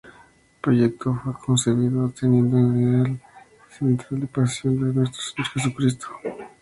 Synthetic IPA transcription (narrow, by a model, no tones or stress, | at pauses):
pɾojek̚t̪oxakʰonseɾβiðot̪enjend̪oenɾeal | sent̪ɾald̪epasjond̪enwes̬t̪ɾo̥seɲoɾxes̬ukɾist̪ʰo̥